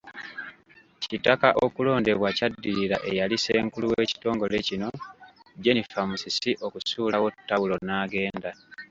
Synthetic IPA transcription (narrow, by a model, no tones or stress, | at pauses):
citakaʔo̞kulo̞ːnde̞βwacadːiɾiɾaʔe̞jalise̞ːŋkuluwe̞ːci̥to̞ːŋɡo̞lecino̞ɟe̞nifamusisiʔo̞kusuːlawo̞tːawulo̞naːɡe̞ːnda